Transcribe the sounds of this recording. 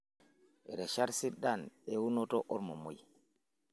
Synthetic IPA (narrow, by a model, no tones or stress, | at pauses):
ʔɛɾɛʃaɾsiɗanɛwunɔtɔʔɔɾmɔmoj